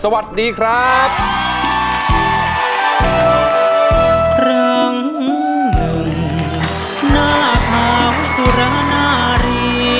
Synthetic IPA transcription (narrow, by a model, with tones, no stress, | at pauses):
sa˧wa˨˩t̪̚diː˧kʰɾa˦˥p̚ | ɾa˧ŋ | nɯ˩ŋ | naː˥˩t̪ʰaː˧˦ŋsu˨˧˩ɾa˧˥˦naː˥˩ɾiː˧